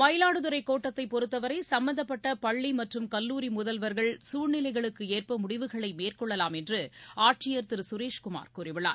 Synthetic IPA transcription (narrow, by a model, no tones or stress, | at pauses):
ʋɐjɐlaːɽɯðɯɾɐɪkːoːʈːɐt̪ːɐɪpɔɾɯt̪ːɐʋɐɾɐɪsɐmbɐnd̪ɐpːɐʈːɐpɐɭːimɐʈrɯmkɐlːuːɾimʊðɐlʋɐɾɣɐɭsuːɻnɪlɐɪɣɐɭɯkːɯeːrpɐmʊɽɪʋɯɣɐɭɐɪmeːrkɔɭːɐlaːmɛndrɯaːʈ̚t͡ʃɪjɐɾt̪ɪɾsʊɾeːʂkʊma̰ːɾkuːrɪʋɪɭa̰ːɾ